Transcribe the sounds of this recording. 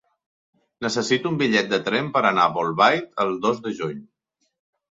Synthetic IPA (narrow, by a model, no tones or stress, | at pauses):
nəsəsit̪umbiʎɛt̪̚d̪ət̪ɾɛmpəɾənaβolˠβajt̪əlˠd̪ozd̪əʒuɲ